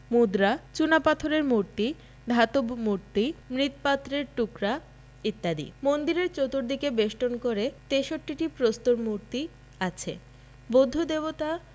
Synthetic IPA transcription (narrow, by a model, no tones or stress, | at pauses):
mud̪ɾat͡ɕunapat̪ʰoɾeɾmuɾt̪i | d̪ʱat̪obmuɾt̪imɾit̪pat̪ːɾeɾʈukɾa | it̪ːad̪ḭmond̪iɾeɾt͡ɕot̪oɾd̪ikebeʃʈonkoɾet̪eʃoʈːiʈipɾost̪oɾmuɾt̪i | at͡ɕʰḛ | bod̪ʱːud̪ebot̪a